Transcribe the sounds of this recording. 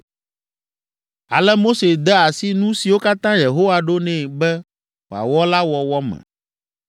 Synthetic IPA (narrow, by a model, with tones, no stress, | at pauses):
a̰˨lɛ˦mo˦se˨d̪ɛ˦a˨si˦nũ˦si˨wo˦ka˦t̪ã˦je˨ɦo˦wa˨ɖo˦nɛ̃˨bɛ˦ | wo˨a̰˨wɔ˦la˦wɔ˨wɔ˦mɛ̰̃˨